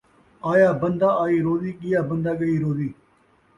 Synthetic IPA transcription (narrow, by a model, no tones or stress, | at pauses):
aːjaːbənd̪aːaːiːɾoːd̪iːɠɪjaːbənd̪aːɠəiːɾoːd̪iː